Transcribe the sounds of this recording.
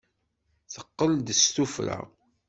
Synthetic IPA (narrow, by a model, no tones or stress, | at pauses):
θəqːəld̪əst̪ufɾa̰